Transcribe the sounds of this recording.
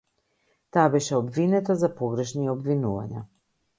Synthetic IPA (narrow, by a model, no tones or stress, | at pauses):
t̪aːbɛʃɛɔbvinɛt̪azapɔɡɾɛʃniɔbvinuva̰ɲa̰